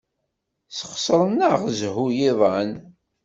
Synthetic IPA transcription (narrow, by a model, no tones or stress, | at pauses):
səχsɾˤənːəʁzhujiðˤən